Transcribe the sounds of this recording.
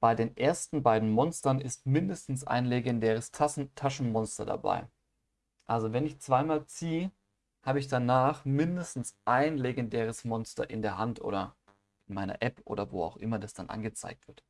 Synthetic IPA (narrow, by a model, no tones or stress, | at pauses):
b̥aɪdeːnʔeːɐstn̩baɪdn̩mɔnstɐnɪstmɪndəstn̩sa̰ɪnleɡɛndɛːʁ̞əstʰatʰaʃn̩mɔnstɐ̰da̰ba̰ɪ | ʔalzovɛnɪçt͡sv̥aɪmaːlt͡siːə | haːbəɪçd̥anaːχmɪndəstn̩sʔaɪnleɡɛndɛːʁ̞əsmɔnstɐ̰ʔɪndeːɐɦantʔo̰ːdɐ | ʔɪnmaɪnɐ̰ʔɛpʔo̰ːdɐvo̰ːa̰ʊxʔɪmɐdasd̥anʔa̰nɡət͡sa̰ɪk̚tv̥ɪɐt